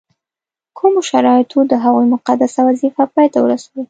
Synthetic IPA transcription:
kʰumoʃaɾɑɪt̪ʰod̪əɦaɣujmʊqad̪asawazifapɑjt̪awəɾasawi

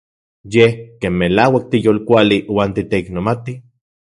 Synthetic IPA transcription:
jehkeːnmelaːwak̚t̪ijoːlkʷaliwaːnt̪it̪eiknomat̪i

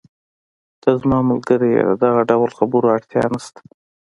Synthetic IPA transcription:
d̪̥azmɑmalɡəɾijḛd̪ə̰d̪aɣaɖawlxabuɾoaɽt̪jɑ̰nast̪ḁ

